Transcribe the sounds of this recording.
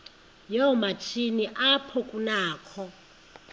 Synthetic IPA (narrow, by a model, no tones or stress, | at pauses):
jɔmat͡ʃʰiniʔapʰɔkʼunaːkʰɔ